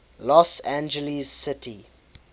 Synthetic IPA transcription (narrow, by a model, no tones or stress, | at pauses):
lɔsæ̃nd͡ʒəlizːɪtʰi